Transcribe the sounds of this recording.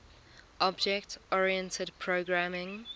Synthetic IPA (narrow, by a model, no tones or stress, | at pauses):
ʔɔbd͡ʒɛktɔɹiɛ̃ntʰədpʰɹoɡɹamɪ̃ŋ